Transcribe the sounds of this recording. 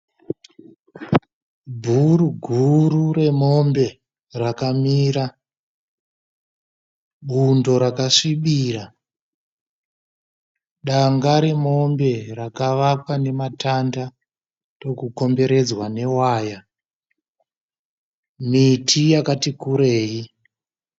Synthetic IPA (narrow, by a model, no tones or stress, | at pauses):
bʱuruɡʱurure̞mo̞mbe̞ | rakamiːɾa | ɓundo̞ɾakaʂiɓiːra | ɗaŋɡaɾe̞mo̞mbe̞rakaʋapwane̞matanda | ro̞kuko̞mbe̞ɾe̞d͡zwane̞waːja | mitʰijakatikuɾe̞ːji